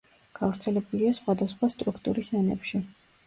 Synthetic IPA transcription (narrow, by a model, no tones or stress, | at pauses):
ɡ̥avɾt̪sʰɛlɛbuliasχwad̪asχwast̪ʼɾukʰt̪ʼuɾisanɛ̰pʃi